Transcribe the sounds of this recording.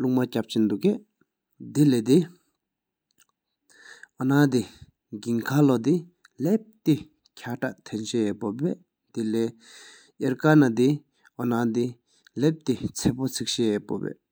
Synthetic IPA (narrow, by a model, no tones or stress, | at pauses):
luk̚macap̚t͡ɕind̪uʔke | d̪ileːd̪i | ʔɔnaːd̪i | ɡiŋkʰalod̪i | lep̚t̪i | cʰaʈ͡ʂaʔt̪ʰenɕepopːɛː | d̪ilɛː | ʔeɹkanad̪i | ʔɔnad̪i | lep̚t̪it͡sʰepot͡sʰik̚ɕeɛpo̰pɛ̰ː